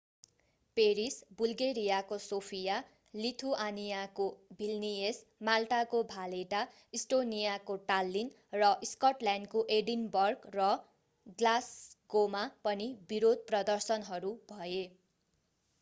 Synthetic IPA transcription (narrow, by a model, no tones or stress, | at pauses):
peɾisbulɡeɾijakosopʰija | lit̪ʰuʔanijakobʱilnies | malʈakobʱaleʈa | isʈonijakoʈalːin | rʌʔiskʌʈlaɳɖkoʔeɖinbʌrɡrʌ | ɡlasɡomapʌnibiɾod̪̚ʱprʌd̪ʌrsʌnɦʌɾubʱʌe